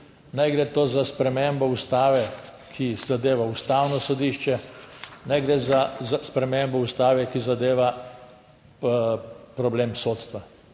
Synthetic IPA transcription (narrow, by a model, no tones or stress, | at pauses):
najɡɾet̪oːzaspɾɛmembɔust̪aːʋɛ | kʰizad̪eːʋaust̪aːwnɔsɔd̪iːʃt͡ʃɛnajɡɾeːzazaspɾɛmembɔust̪aːʋɛkizad̪eːʋa | pɾɔbleːmsoːt̪st̪ʋa